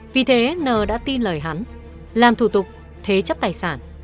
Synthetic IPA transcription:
vi˨˩t̪ʰe˨˦nəː˨˩ɗa̰ː˧˥t̪i˧nləː˨˩jɦa˨˦n | laː˨˩mt̪ʰu˧˩t̪ʊ˨˩k͡p̚ | t̪ʰe˨˦t͡ɕə˦˥p̚t̪aː˨˩jsaː˧˩n

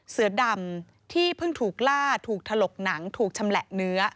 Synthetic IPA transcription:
sɯ˩˦da˧˩m | t̪ʰiː˥˩pʰɯ˥˩ŋt̪ʰuː˨˩k̚laː˥˩t̪ʰuː˨˩k̚t̪ʰa˧lo˨˩k̚na˩˦ŋt̪ʰuː˨˩k̚t͡ɕʰa˧mlɛ˨˩ʔnɯ˦˥ɐ

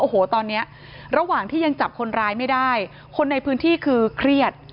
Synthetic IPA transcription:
ʔoː˨˩hoː˩˦t̪ɔː˧nːi˦˥ɐ | ɾa˧waː˨˩ŋt̪ʰiː˥˩ja˧ŋt͡ɕa˨˩p̚kʰo˧nɾaː˦˧jma˥˩jdaː˥˩j | kʰo˧nːa˧jpʰɯː˦˥nt̪ʰiː˥˩kʰɯː˧kʰɾi˥˩ət̪̚

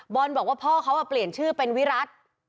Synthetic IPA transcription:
bɔː˧nbɔː˨˩k̚waː˥˩pʰɔː˥˩kʰa˦˥wʔa˨˩pli˨˩ənt͡ɕʰɯː˥˩pe˧nwi˦˥ɾa˦˥t̪̚

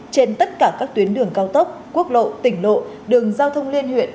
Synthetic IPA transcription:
t͡ɕe˧nt̪ə˦˥t̚kaː˧˩kaː˦˥k̚t̪wi˨˦ənɗɨ˧˩əŋkaː˧wt̪ə˦˥k͡p̚ku˦˥ək̚lo̰˧˨t̪ï˧˩ŋ̟lo̰˧˨ | ɗɨ˨˩əŋzaː˧wt̪ʰə˧wŋ͡mli˧ənhwḭ˧˨ən

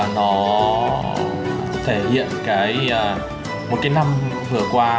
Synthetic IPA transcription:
nɔ˨˦ | ɔ˨˦t̪ʰe˧˩hḭ˧˨ənkaː˨˦jəː˨˩ | mo˨˩t̚kaː˨˦jna˧m | vɨ˧˩əkwaː˧

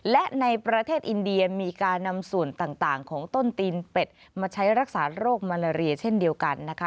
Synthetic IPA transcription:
lɛ˦˥ʔna˧jpɾa˧t̪ʰeː˥˩t̪̚ʔi˧ndi˧ɐmiː˧kaː˧nːa˧msu˨˩ənt̪aː˨˩ŋt̪aː˨˩ŋkʰɔː˩˦ŋt̪o˥˩nt̪iː˧npe˨˩t̪̚ | maː˧t͡ɕʰa˦˥jɾa˦˥k̚saː˩˦ɾoː˥˩k̚maː˧laː˧ɾi˧ɐt͡ɕʰe˥˩ndi˧əwka˧nːa˦˥kʰa˦˥

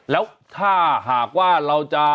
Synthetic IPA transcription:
lɛː˦˥wt̪ʰaː˥˩ɦaː˨˩kwaː˥˩ɾa˧wt͡ɕa˧˩

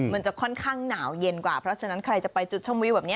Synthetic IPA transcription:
ma˩˦ənt͡ɕa˨˩kʰɔ˥˩nkʰaː˥˩ŋnaː˩˦wje˧nkwaː˨˩pʰɾɔ˦˥t͡ɕʰa˧na˦˥nkʰɾa˧jt͡ɕa˨˩pa˧jt͡ɕu˨˩t̪̚t͡ɕʰɔ˥˩mwi˦˥bɛː˨˩ni˦˥

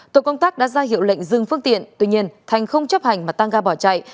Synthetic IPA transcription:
t̪o̰˧˨kə˧wŋ͡mt̪aː˦˥k̚ɗa̰ː˧˥zaː˧ɦḭ˧˨əwlḛ˧˨jŋ̟zɨ˨˩ŋfɨ˧əŋt̪ḭ˧˨ənt̪wḭ˧ɲi˧ənt̪ʰa˨˩jŋ̟xə˧wŋ͡mt͡ɕə˦˥p̚ha˨˩jŋ̟maː˨˩t̪a˧ŋɣaː˧ɓɔ˧˩t͡ɕa̰˧˨j

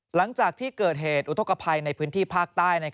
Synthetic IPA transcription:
la˩˦ŋt͡ɕaː˨˩k̚t̪ʰiː˥˩kɤː˨˩t̪̚ɦeː˨˩t̪̚ʔu˦˥t̪ʰo˧˥ka˧pʰa˧jna˧jpʰɯː˦˥nt̪ʰiː˥˩pʰaː˥˩k̚t̪aː˥˩jna˧j

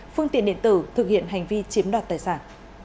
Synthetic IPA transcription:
fɨ˧ŋḭ˧˨ənɗḭ˧˨ənt̪ɨ˧˩t̪ʰɨ˨˩k̚hḭ˧˨ənɦa˨˩jŋ̟vi˧t͡ɕi˨˦mɗwaː˨˩t̪aː˨˩jsaː˧˩n

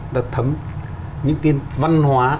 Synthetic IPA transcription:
ɗa̰ː˨˧˩t̪ʰə˨˦m | ɲɨ̰˧˥ŋt̪i˧ənva˧nhwaː˨˦

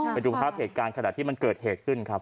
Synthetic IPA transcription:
ɾt͡ɕʰu˧mpʰaː˦˥˩p̚heː˨˩t̪̚kaː˧nkʰa˧na˨˩t̪ʰiː˥˩ma˧nkɤː˨˩t̪̚heː˨˩t̪̚kʰɯ˥˩nkʰɾa˦˥p̚

